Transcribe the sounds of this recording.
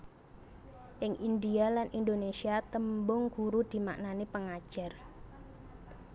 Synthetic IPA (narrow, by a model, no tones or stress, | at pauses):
ʔɪŋʔindialanʔindonesiat̪əmbʊŋɡ̥uɾud̪̥i̤maʔnanepəŋḁʒ̥ar